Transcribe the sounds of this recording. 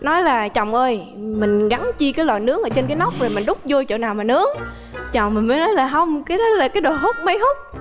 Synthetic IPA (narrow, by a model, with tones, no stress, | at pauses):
nɔ˨˦jlaː˨˩t͡ɕɔ˨˩wŋ͡mʔəː˧jmï˨˩ŋ̟ɣa˨˦ŋt͡ɕi˧kaː˨˦jla̰ː˨˩nɨ˨˦˥əŋʔəː˧˩˦t͡ɕe˧nkaː˨˦na˦˥wk͡p̚vo˨˩jmï˨˩ŋ̟ɗʊ˦˥k͡p̚zo˧jt͡ɕo̰˧˨naː˨˩wmaː˨˩nɨ˨˦əŋ | t͡ɕɔ˨wŋ͡mmï˨˩ŋ̟məː˨˦jnɔ˨˦jlaː˨˩ɦə˧wŋ͡mka˨˦ɗɔ˨˦laː˨˩kaː˨˦jɗo˨˩ɦə˦˥k͡p̚mə˨˦jɦʊ˦˥k͡p̚